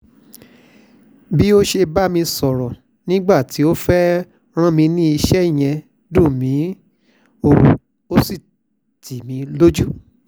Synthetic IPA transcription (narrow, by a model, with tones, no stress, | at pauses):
bi˦o˦ʃe˧ba˦mĩ˧sɔ˨ɾɔ˨ | nĩ˦ɡ͡ba˦˨ti˨˦o˦fɛ˦ | ɾ̃ã˦mĩ˧nĩ˦i˧ʃɛ˦i˦˨j̃ɛ̃˧ | dũ˦˨mĩ˨˦ | o˦˨ | o˦si˦˨ | tʰi˨mĩ˨˧lo˦d͡ʒu˦